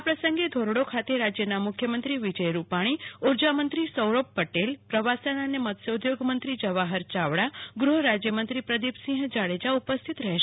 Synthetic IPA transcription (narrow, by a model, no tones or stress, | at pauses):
apɾəsə̃ŋɡed̪ʱoɾɽokʰat̪eɾad͡ʒjənamukʰjəmənt̪ɾiʋid͡ʒəjɾupaɽ̃ioɾd͡ʒamənt̪ɾisəwɾopːəʈelpɾəʋasənanemət̪səd̪joɡmənt̪ɾid͡ʒəʋaɦəɾt͡ʃaʋɽaɡɾuɦɾad͡ʒjəmənt̪ɾipɾəd̪ipsĩɦd͡ʒaɭed͡ʒaupəst̪ʰit̪ɾəɦeʃ